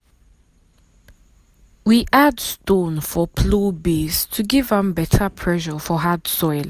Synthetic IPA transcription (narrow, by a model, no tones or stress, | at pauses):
wiʔadstõnfɔpʰlobestʰuɡɪvə̃mbɛtʰəpʰɹɛʃəfɔɦadsɔɪl